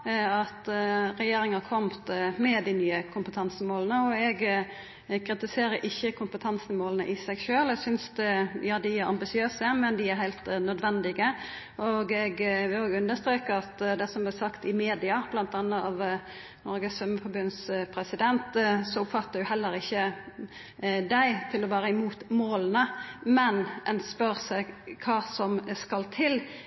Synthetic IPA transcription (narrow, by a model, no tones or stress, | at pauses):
ɑt̪ɾɛjeːɾɪŋəhɑkʰɔmt̪mɛd̪ɪnyːəkʰʊmpət̪ʰɑnsəmoːlənəɔɛɡ | kʰɾɪt̪ɪseːɾəɾʔɪçːəkʰʊmpət̪ʰɑnsənmoːlənə̰ʔɪsɛɡʃøːlɛɡsʏnsd̪ɛjɑːd̪ɪæɾɑ̰mbɪsɪøːsəmɛnd̪ɪæɾhæɪlt̪nœd̪ʋɛnd̪ɪɡə | ʔoɡɛɡʋɪloːɡʉnd̪əst̪ɾeːkəɾɑt̪d̪ɛsɔmblɛsɑkt̪ɪmeːd̪ɪɑb̥lɑnt̪ɑnːəɑʋ | nɔɾɡəsœmːəfɔɾbʉnspʰɾɛsɪd̪ɛnt̪sɔʊpfɑt̪ːəɾjʊhɛlːəɾɪçːə | d̪æɪt̪ʰɪlɔʋæːɾəɪmuːt̪moːlənəmɛnʔɛnspœɾsɛɡkʰɑːsɔmskɑlt̪ʰɪl